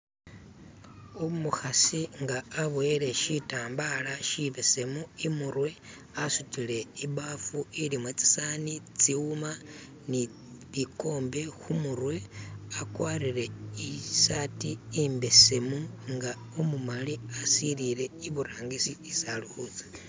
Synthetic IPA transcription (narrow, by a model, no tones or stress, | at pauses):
omuxasiŋɡaːβwe̞ɾe̞ʃitaːmbalaʃiβese̞muimuɾwe̞ | asutile̞iβafuilimwet͡si̥sanit͡siuma | ni | βiko̞ːmbe̞xumurwe̞akwariɾe̞isatiːmbe̞se̞muŋɡa | umumaliasiɾile̞iβuɾaːŋɡisiːsaluhut͡sḁ